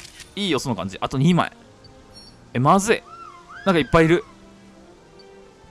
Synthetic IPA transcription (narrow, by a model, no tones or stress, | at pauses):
iːjosonːokã̰ɲ̟d͡ʑḭʔat̪o̞ɲ̟iːma̰ḛ | emazɨenãŋkaipːaiɾɯ̟